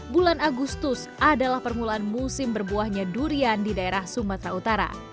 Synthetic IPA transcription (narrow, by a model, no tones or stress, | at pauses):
bulanaɡust̪ʊs | adalahpərmulaːnmusɪmbərbuahɲaduɾiandidaeɾahsumat̪ɾaut̪aɾa̰